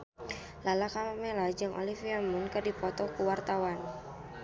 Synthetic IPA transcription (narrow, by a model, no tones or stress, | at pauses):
lalakamamelad͡ʒɨŋʔo̰lifiamʊnkərdipɔt̪ɔkuwart̪awan